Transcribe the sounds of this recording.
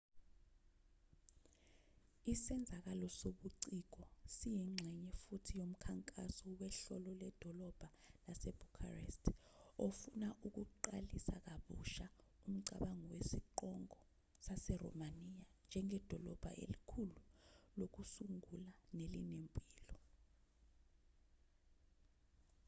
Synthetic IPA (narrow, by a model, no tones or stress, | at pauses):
isɛnd͡zʱak̬alɔsoɓuǀik̬ɔsijiŋ͡ǁʱɛɲɛfutʰijom̩kʰaŋkʼasɔwɛɬɔlɔlɛd̥ʱɔlɔb̥ʱa | lasɛb̥ʱukʰa̰rḛstʰofunaʔuk̬uǃalisak̬aɓṵʃa | um̩ǀa̰ɓaŋɔwesiǃɔŋɔ | sasɛrɔ̰manijand͡ʒʱɛŋʱɛd̥ʱɔlɔb̥ʱa̰ʔḛlikʰululok̬usuŋulanelinempʼiːlɔ